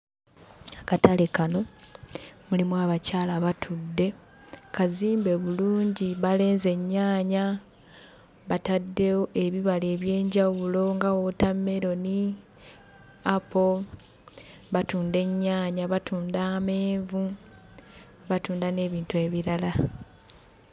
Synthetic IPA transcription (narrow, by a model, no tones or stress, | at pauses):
akatalekano̞ | mulimwaːβacaːlaβatʰudːe̞ | kaziːmbe̞βuluːɲɟiβale̞ːnze̞ɲːaːɲa | βatadːe̞woeβiβale̞ːβje̞ːɲɟawulo̞ŋɡawo̞tamːe̞ɾo̞ni | apo̞ | βatuːnde̞ɲːaːɲaβatuːndaːme̞ːɱvu | βatuːndane̞ːβiːntue̞ːβiɾala